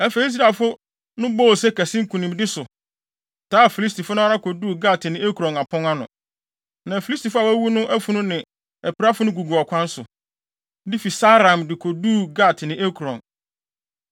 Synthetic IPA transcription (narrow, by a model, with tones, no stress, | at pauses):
ɛ˨fe˨˦s̬i˦a˨fʊ˦ | nʊ̃˦bo˦˨sɛ˦kʰæ˨sɪ̃˦ŋ̩˦kʰu˨nĩ˨mdɪ˦sʊ˨ | tʰaː˨˦˨fi˨li˦sti˨fʊ˦nʊ̃˦a˦ɾa˦kʰo˨duː˦˨ɡa˦˨tɪ˨nɪ̃˨˦e˦ku˨ɾɔ̃˨na˨pʰɔ̃˦ŋa˦nʊ̰̃˨ | nã˨fi˨˦li˦sti˨fʊ˦a˨wæ˦wu˦nʊ̃˦ʔæ˦fu˨nʊ̃˦nɪ̃˨ | ɛ˨pi˨ɾa˦fʊ˦nʊ̃˦ɡu˨ɡu˨ɔ˨kʷʰã˦n˦sʊ̰˨ | di˦fi˨sa˦ɾã˨mdɪ˨kʰo˨duː˦˨ɡa˦˨tʰɪ˨nɪ̃˨ʔe˦kʰu˨ɾɔ̰̃˨n